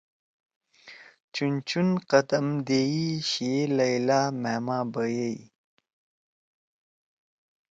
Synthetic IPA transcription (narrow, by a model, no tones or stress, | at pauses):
t͡ɕunt͡ɕunqɐt̪ɐmd̪eiɕielɐjlaːmeːmaːbəjej